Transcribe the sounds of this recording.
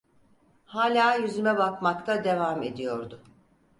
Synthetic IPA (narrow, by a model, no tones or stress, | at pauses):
haːlʲaːjyzymɛbakmakt̪ʰad̪e̞vaːme̞d̪ijo̞ɾd̪ʊ